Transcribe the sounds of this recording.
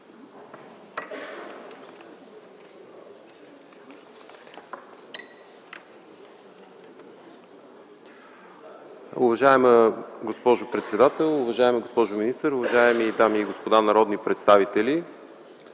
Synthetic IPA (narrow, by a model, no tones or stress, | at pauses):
ʊvɐʒaɛməɡospɔʒʊpɾɛt̪sɛd̪at̪ɛlˠʊvɐʒaɛməɡospɔʒʊminist̪əɾʊvɐʒaɛmid̪amiːɡospod̪anɐɾɔd̪nipɾɛt̪st̪avit̪ɛli